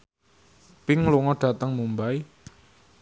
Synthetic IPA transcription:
pɪŋluŋɔɖ̥a̤t̪əŋmumbaj

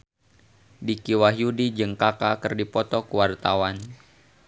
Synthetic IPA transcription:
dikiwaɦjudid͡ʒəŋkakakərdipɔt̪ɔkuwart̪awan

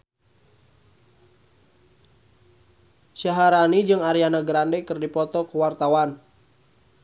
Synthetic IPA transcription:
ʃaɦaɾanid͡ʒɨŋaɾianaɡɾandɛkɨrdipɔt̪ɔkuwart̪awan

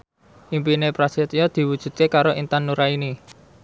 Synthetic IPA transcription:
ʔimpinepɾasit̪iɔd̪̥i̤wud̥ʒ̥ṳt̪̚kekaɾoʔint̪anːuɾaini

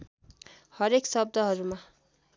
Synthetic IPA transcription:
hʌɾeksʌb̚d̪ʌɦʌɾuma

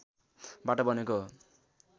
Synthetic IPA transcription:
baʈʌbʌneko

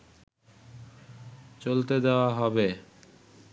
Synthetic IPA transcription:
t͡ɕolt̪ed̪eoaɦɔbe

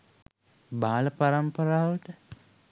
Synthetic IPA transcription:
baːlɐpaɾampɐɾaːʋəʈə

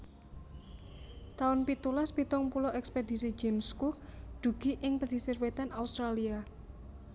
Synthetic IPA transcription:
t̪aʊnpit̪ulaspit̪ɔŋpulɔʔɛkspedi̤si̥d͡ʒɛmskuk̚d̪̥ṳɡ̥i̤ʔɪŋpəsisirwet̪anaust̪ɾalia

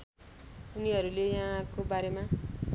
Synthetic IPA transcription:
uniɦʌɾulejaɦãkobaɾemã

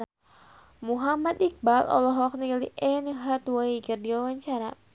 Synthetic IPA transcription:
muɦamat̪ik̚balʔɔ̰lɔɦɔkniliʔɛnɦat̪waikɨrdiwawaɲt͡ʃaɾa

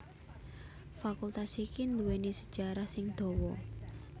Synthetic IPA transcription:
fakult̪asikind̪uwenisəd̥ʒ̥a̤ɾahsɪŋd̪̥ɔ̤wɔ

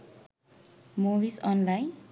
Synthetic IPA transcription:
muwisɔnlajn

